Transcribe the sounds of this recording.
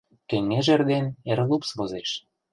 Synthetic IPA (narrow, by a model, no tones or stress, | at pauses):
keŋːeʒerd̪enerlupsβozeʃ